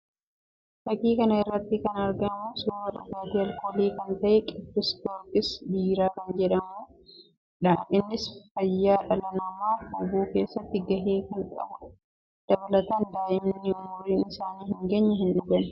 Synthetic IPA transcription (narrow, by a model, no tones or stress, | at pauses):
t̪ɐkiːkɐnɐɪrːɐt̪ːɪkɐnɐɾɡɐnmoːsʊwɐt̪ɐfaːt̪iɐlkoːleːkɐnt̪ɐʔɛkʼɪbːɪst̪oːkɪsd̪iːɾaːkɐnd͡ʒɛᶑɐmoː | ᶑaʔɪnːɪsfɐjːaːᶑɐlɐnɐmaːʊbuːke̞ːsːɐt̪ːɪɡɐɦeːkɐŋkʼɐ̰bʊ | d̪̥ɐbɐlɐt̪ɐnd̪aːʔɪmnːɪʊmʊɾiːnɪsaːniːhɪŋɡeːɲːɐhɪnᶑʊɡɐnɐ̥